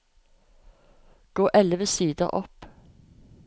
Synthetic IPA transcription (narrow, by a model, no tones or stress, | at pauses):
ɡ̥oːʔɛlʋəsiːd̪ə̰ʁʔɔp